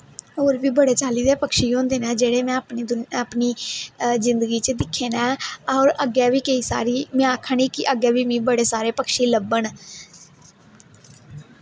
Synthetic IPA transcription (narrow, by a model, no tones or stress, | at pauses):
ɦoːɾʋiːbəɽeːt͡ʃaːliːd̪eːpəkʃiːɦõːnd̪eːnɛːd͡ʒeːɽeːmɛ̃ːəpːd̪ʊpniːzɪnd̪əɡiːt͡ʃəd̪ɪkʰːeːnɛ̃ːɾəɡɛːʋiːkəiːsa̰ːɾiːmɪãːkʰəɳiːkɪʔəɡɛːʋiːmĩːbəɽeːsaːɾeːpəkʃiːləbːəɳ